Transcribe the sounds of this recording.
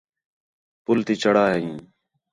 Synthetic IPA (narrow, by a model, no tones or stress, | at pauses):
pʊlt̪iːt͡ʃəɽaːɦĩː